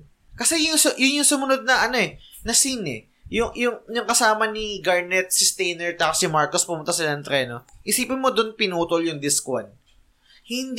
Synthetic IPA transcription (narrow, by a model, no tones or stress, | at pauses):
kɐsɛjʊŋsʊjʊnjʊŋsʊmʊno̞d̪̚nɐʔɐno̞ɛnɐsinɛ̰ | jʊŋjʊŋjʊŋkɐsaːmɐniɡɐɹnɛt̪̚sɪst̪ɛjnɛɹt̪aksɪmaɹkospʊmʊnt̪asɪlanɐŋt̪ɾɛno̞ʔɪsiːpɪnmod̪ʊnpɪnuːt̪oljʊŋd̪ɪska̰n | hɪnd̪